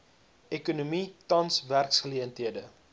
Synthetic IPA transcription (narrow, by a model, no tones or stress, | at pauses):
ɛkunumitɐnsværksχəliəntɦiədə